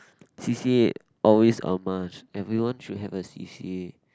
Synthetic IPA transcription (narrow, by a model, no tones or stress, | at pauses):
sisie | ʔɔlwesɔ̰mat͡ʃɛvɹiwãnʃudɦɛvəsḭsḭe